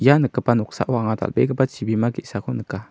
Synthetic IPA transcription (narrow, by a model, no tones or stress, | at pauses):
janəkəpanʊksa̰ʔwaŋat̪a̰lbekəpat͡ʃibimakiʔsakonəka